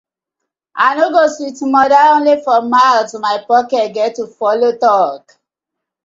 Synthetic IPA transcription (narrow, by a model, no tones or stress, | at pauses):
aɪnoɡoswitmɔdaõnlefɔmaɪlsmaɪpɔkɛtɡɛtːufɔlotɔk